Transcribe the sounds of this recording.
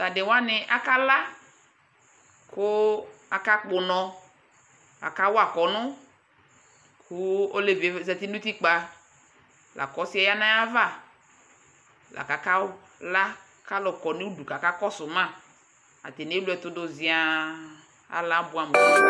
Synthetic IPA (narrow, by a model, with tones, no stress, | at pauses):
la˨dɪ˨wa˦nɪ˨ʔa˦ka˦la˦ | kʊ˦a˨ka˦k͡pʊ˨nɔ̃˨ | a̰˨ka˦wo˦a˨kɔ˨nʊ̃˦ | kʰu˦o˦le˨ve˨˦zɛ˨t̪i˦nʊ̃˦t̪i˦k͡pa˨ | lʔa̰˨kɔ˦si˦a˦ja˦nã˦ja˦va˦˨ | lʔa̰˨ka˨ka˦ | la˦ | ka˦lɔ˨kɔ˨nẽ˦wu˦du˨ka˨ka˦kɔ˦sʊ˨mã˦˨ | a̰˨t̪e˨ne˦lu˦ɛ˨t̪ʊ˦dʊ˨zi˨a˨ | a̰˨la˦bʊ˨˦a˨m̃˨˦˨